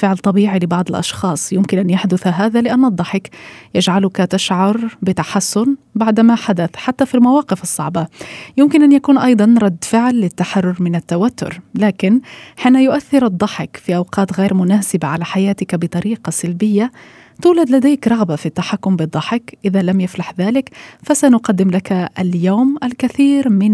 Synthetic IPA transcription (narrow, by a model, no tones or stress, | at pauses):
fɪʕlt̪ˤɑbiːʕilɪbɑʕd̪ˤɪlʔɑ̰ʃxɑːsˤjʊmkɪnʔanjaħd̪ʊθaɦaːðalɪʔanːɨd̪ˤːɑħɪkjɪd͡ʒʕalʊkat̪aʃʕɑɾˤbɪt̪aħasːʊn | baʕd̪maħad̪aθħat̪ːafilmawɑːqɪfɨsˤːɑ̰ʕbɑjɪmkɪnʔanjakuːnʔɑjd̪ˤɑnɾˤɑd̪ːfɪʕlːɪt̪ːaħarːʊɾmɪnat̪ːawat̪ːʊ̰ɾlaːkɪnħiːnajʊʔaθːɪɾɨd̪ˤːɑħɪkfiʔawqɑːt̪ɣeːɾmʊnaːsɪbaʕalaħajaːt̪ɪkbɪt̪ˤɑɾiːqɑsalbɪjːa | t̪uːlad̪lad̪eːkɾˤɑɣbafit̪ːaħakːʊmbɨd̪ˤːɑħɪkʔɪðalamjaflaħðaːlɪkfasanʊqɑd̪ːɪmlakaaljawmʔalkaθiːɾmɪn